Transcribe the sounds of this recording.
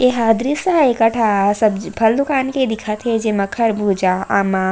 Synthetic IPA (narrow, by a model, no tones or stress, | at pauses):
eɦaːd̪ɾisəɦaekɐʈʰasɐbpʰɐld̪ukaːnked̪ɪkʰat̪ɦed͡ʒemɐkʰɐɾbʱud͡ʒaama